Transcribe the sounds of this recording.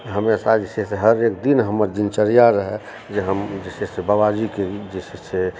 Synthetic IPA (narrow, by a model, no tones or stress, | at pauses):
ɦəmesad͡ʒeseseɦəɾekd̪inɦəməɾd̪int͡ʃəɾijaɾəɦɛ | d͡ʒeɦəmd͡ʒesesebabad͡ʒiked͡ʒesise